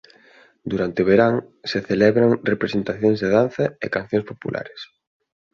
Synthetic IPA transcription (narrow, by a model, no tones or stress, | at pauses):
d̪uɾant̪eʊβeɾaŋ | seθelɛβɾaŋrepɾesent̪aθjoŋzðeðanθɐḛkan̟θjõŋspopulʔa̰ɾes